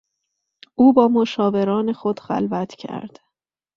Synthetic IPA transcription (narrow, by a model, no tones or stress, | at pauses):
ʔuːbɒːmoʃɒːve̞ɾɒːne̞xod̪xæ̰lvæt̪ʰcʰæ̰ɾd̪̥